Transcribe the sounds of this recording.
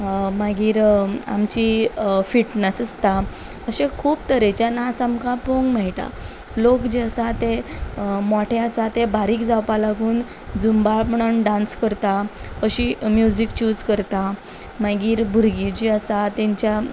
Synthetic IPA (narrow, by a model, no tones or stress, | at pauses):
maɡiːɾa̰mt͡ɕifiʈnəsəst̪a | əɕekʰuːpt̪əɾet͡ɕjanat͡samkapoŋɡmɛɭʈ̪a̰ | lokd͡ʑiəsat̪e | mɔʈʰeasat̪ebaɾiːkd͡zawpalaɡʱuːn | d͡zumbapɳəɳɖãnskəɾt̪aəɕimjud͡zikt͡ɕuːd͡zkəɾt̪a | maɡiːɾbʱuɾɡid͡ʑiəsat̪ẽɲt͡ɕja